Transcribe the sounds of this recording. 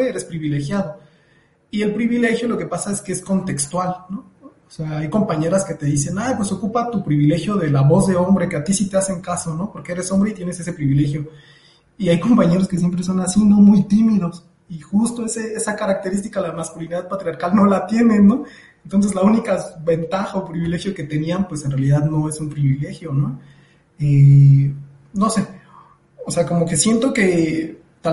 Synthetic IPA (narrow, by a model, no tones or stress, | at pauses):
eeɾe̞spɾiβile̞xjaðo̞ | ie̞lpɾiβile̞xjo̞lo̞ke̞pasae̞skeesko̞nt̪e̞kst̪walno̞ː | seaajko̞mpaɲe̞ɾaske̞t̪e̞ðis̬e̞najpwe̞so̞kupat̪upɾiβile̞xjo̞ðe̞laβo̞zðe̞o̞mbɾe̞keat̪isit̪e̞ase̞ŋkasono̞po̞ɾkee̞ɾe̞so̞mbɾeit̪jene̞se̞se̞pɾiβile̞xjo̞ | iajko̞mpaɲe̞ɾoskes̬jemp̬ɾe̞s̬o̞nasino̞mujt̪imiðo̞s | ixust̪oeseesakaɾak̚t̪e̞ɾis̬t̪i̥kaðelamaskuliniðaðpat̪ɾiaɾkalno̞lat̪je̞nẽ̞nːo̞ | ent̪o̞ns̬ezlaunikaβe̞nt̪axaopɾiβile̞xjo̞ke̞t̪e̞nianpwe̞senrealiðaðno̞e̞sumpɾiβile̞xjo̞no̞ | e | no̞se̞ | ose̞ako̞mo̞ke̞sje̞nt̪o̞ke̞ | t̪a